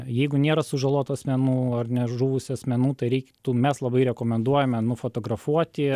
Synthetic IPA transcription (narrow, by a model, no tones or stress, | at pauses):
jɛɪɡʊnʲeːɾɐsʊʒɐlˠuɔt̪ʊɐsʲmʲɛnuːɐrnʲɛʒuːʋʊsʲʊɐsʲmʲɛnuːt̪ɐɪɾʲɛɪkʲt̪uːmʲɛslˠɐbɐɪɾʲɛkoːmʲɛnd̪uɔjɛmʲɛnʊfoːt̪oːɡɾɐfuɔt̪ʲɪ